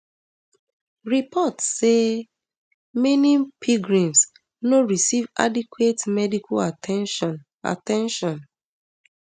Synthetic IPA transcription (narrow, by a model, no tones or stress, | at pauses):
ɹipʰɔtse | minĩpʰiɡɹĩms | noɹisiva̰dikwetmɛdikʰaan | a̰tɛ̃nʃɔ̃n